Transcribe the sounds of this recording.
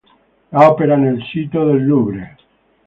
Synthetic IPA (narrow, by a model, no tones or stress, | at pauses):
ɔpeɾanelsiːt̪oðelːuːbɾe